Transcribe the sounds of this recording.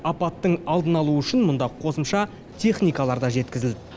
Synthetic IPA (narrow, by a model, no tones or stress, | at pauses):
ɑpɑt̪ːəɴɑlˠd̪ənɑlˠuʏʃɪnmʊnd̪ɑqʰo̞səmʃɑ | t̪ʲʰe̞χnijkɑlˠɑɾd̪ɑʒe̞t̪̚kʲɪzɪld̪ɪ